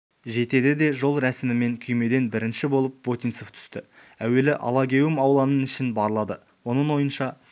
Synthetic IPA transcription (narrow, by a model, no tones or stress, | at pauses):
ʒe̞t̪e̞d̪ɪd̪e̞ʒo̞lˠɾæsɪmɪme̞ŋkʲʰʏjme̞d̪e̞nbɪɾɪnʃɪbo̞lˠəp̚vo̞t̪inso̞ft̪ʰʏ̥st̪ɪ | æwe̞lɪʔɑ̰lˠɑɡʲe̞wɪmɑwlˠɑnənɪʃɪnbɑɾəlˠɑd̪ə | wo̞nəɴwo̞jənʃɑ